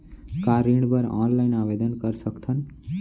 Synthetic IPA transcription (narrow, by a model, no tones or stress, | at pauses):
kaɾĩɳ̃bəɾɔ̰̃nlaɪnaʋed̪ənkəɾsəkt̪ʰən